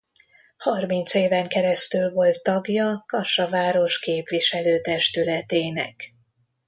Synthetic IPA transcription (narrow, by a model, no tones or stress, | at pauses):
hɒrmint̪seːvɛŋkɛɾɛst̪ylvo̞lt̪ːɒɡjɒkɒʃɒvaːɾo̞ʃkeːpʋiʃɛløːt̪ɛʃt̪ylɛt̪eːnɛ̰k